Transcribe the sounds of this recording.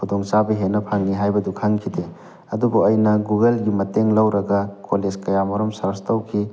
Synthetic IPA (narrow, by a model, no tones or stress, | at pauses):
kʰudɔŋt͡ʃabɐɦenɐpʰaŋːiɦajbɐdukʰaŋkʰide | ɐdubuɐjnɐɡuɡelɡimɐteŋlɐwɾɐɡɐkoled͡ʒkɐjamɐɾɔmsɐɾstowkʰi